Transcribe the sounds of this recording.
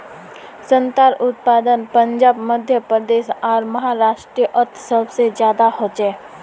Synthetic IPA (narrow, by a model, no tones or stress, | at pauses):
sə̃nt̪aːɾʊt̪̚paːd̪ənpə̃ɲd͡ʒaːbməd̪ʱjəpɾəd̪eːʃaːɾməɦaɾaːʂʈɾijəʔəɾt̪ʰsəbsezjaːd̪ahot͡ʃɛː